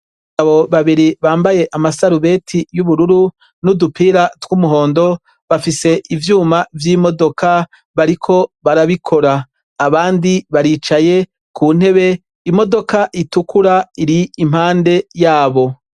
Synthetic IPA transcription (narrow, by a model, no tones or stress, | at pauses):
aβo̞βaβiɾiβaːmbaje̞ʔamasaɾuβe̞tʰijuβuɾuɾu | nudupʰiːɾatwumuɦo̞ːndo̞ | βafise̞ʔivjuːmavjiːmo̞do̞ka | βaɾikʰo̞βaɾaβikʰo̞ɾaː | βaːndiβaɾiːt͡ʃaje̞ | kuːn̥he̞βe̞ | imo̞do̞kaʔitukuɾaiɾiːm̥haːnde̞jaːβo̞